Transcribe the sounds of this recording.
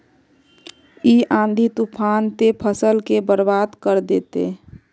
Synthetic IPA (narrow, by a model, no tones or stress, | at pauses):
iãːnd̪ʱit̪upʰaːnt̪epʰəsəlkebəɾbaːd̪kəɾd̪eːt̪ḛ